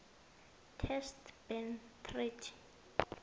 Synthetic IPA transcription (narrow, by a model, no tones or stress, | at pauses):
tʰɛstb̥ɛnt̪ʰrit͡ʃʰ